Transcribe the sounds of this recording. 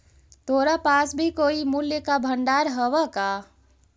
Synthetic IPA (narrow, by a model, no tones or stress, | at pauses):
t̪ʰoːɾapaːsbʱikoːimuljəkabʱəɳɖaːɾɦəʋaka